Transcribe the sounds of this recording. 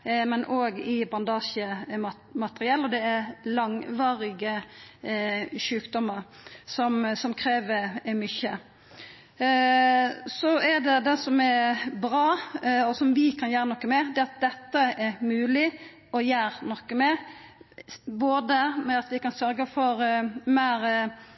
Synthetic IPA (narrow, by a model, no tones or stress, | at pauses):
mɛnʔoːɡɪbɑnd̪ɑːʃə | mɑt̪əɾɪɛlːɔd̪ɛæɾlɑŋʋɑːɾɪɡə | ʃʉːkd̪ɔmːəɾ | sɔmsɔmkʰɾeːʋəɾmʏçə | sɔæd̪ɛd̪ɛsɔmɛɾbɾɑːɔsɔmʋɪkʰɑnjæːɾənɔkːəmɛd̪ɛɑt̪̚d̪ɛt̪ːəɛɾmʉːlɪ | ɔjæːɾnɔkːəmɛ | boːd̪əmɛɑt̪ʋɪkɑnsœɾɡəfɔɾmæːɾ